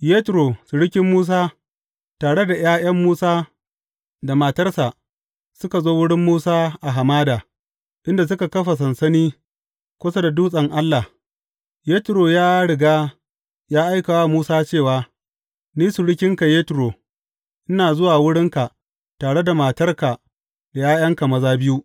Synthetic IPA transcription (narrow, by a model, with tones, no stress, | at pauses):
jeː˦tɾoː˨su˨ɽɪ˦kʲɪ˦mːuː˦s̬aː˦ | taː˨ɽe˦da˨j̰aː˦j̰ɐ˦mːuː˦saː˦ | da˨maː˨tɐ˦rsa˨ʔ | sʊ˦ka˨zoː˦wʊ˦ɽɪ˦mːuː˦saː˦ʔa˨ɦa˨maː˦daː˨ | ʔɪ˦nda˨s̬ʊ˦ka˨kɐ˦ɸa˨s̬ɐ˨nsɐ˦niː˦ | kʷʊ˦sɐ˦da˨duː˦sʼɐ˨ŋʔa˦lːa˨h | jeː˦tɪ˨ɾoː˨jaː˦ɽɪ˨ɡaː˦ | jaː˦ʔa˦jka˨wa˦muː˦saː˦t͡ʃeː˦˨waː˨ | niː˦su˨ɽɪ˦kʲɪ˦ŋka˨jeː˦tɪ˨ɾoː˨ | ʔɪ˦naː˨zʊ˦waː˨wʊ˦ɽɪ˦ŋka˨ | taː˨ɽe˦da˨ma˨tɐ˦rka˨ | d̥a˨jaː˦j̰ɐ˦ŋka˨mɐ˦zaː˦bɪ˦ju˦ʔ